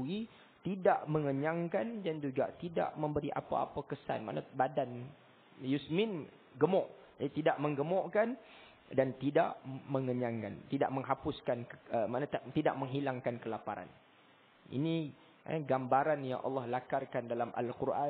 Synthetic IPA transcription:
i | t̪idaʔməŋəɲaŋkandand͡ʒuɡa̰t̪ida̰ʔmə̃mbəɾiʔa̰pa̰a̰pakəsa̰nmã̰ʔnabadan | jusmɪn | ɡəmɔʔ | t̪idaʔmə̃ŋɡəmɔʔkan | dant̪idaʔmə̃ŋəɲaŋkant̪ida̰ʔməŋɦapʊskankəmanãt̪t̪ida̰ʔ̚məŋɦilaŋkankəlapaɾa̰n | ḭnḭ | ɡambaɾanja̰ŋʔɑ̰lːɑhlakarkandalamʔa̰lkuɾʔa

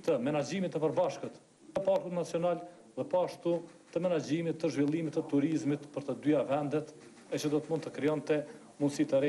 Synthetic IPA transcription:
t̪əmɛnad͡ʒimit̪ːəpəɾbaʃkət̪ | əpaɾkut̪nat͡siɔnal | ðɛpɔaʃt̪u | t̪əmɛnad͡ʒimit̪ːəʒvilˠimit̪ːət̪ːuɾizmit̪pəɾt̪əd̪yavɛnd̪ɛt̪ | ɛt͡ʃəd̪ɔt̪əmũnd̪t̪əkɾijɔnt̪ɛ | munsit̪əɾɛ

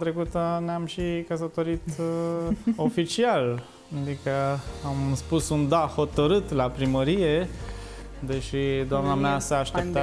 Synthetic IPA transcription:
t̪ɾe̞kut̪əneamʃikəs̬ət̪o̞ɾit̪ | o̞fit͡ʃial | ad̪ikəamspusund̪aho̞t̪əɾɨt̪lapɾiməɾije̞ | d̪e̞ʃid̪oamnameasəaʃt̪ep̚t̪a

